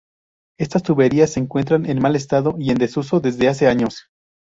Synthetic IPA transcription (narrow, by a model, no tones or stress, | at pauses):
e̞st̪ast̪uβe̞ɾiasːe̞ːŋkwe̞nt̪ɾanenmale̞s̬t̪aðo̞ie̞nd̪e̞suso̞ðe̞zðe̞as̬e̞aɲo̞s